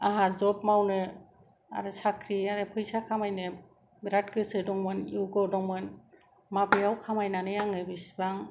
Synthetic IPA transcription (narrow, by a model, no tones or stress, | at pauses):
aɦazɔpmawnɯ | a̰ɾɯsakʰɾiaɾɯpʰɯjsakʰamajnɯ | biɾatkɯsɯdɔŋmɯniwɡɔdɔŋmɯn | mabejawkʰamajnanɯjaŋɯbisbaŋ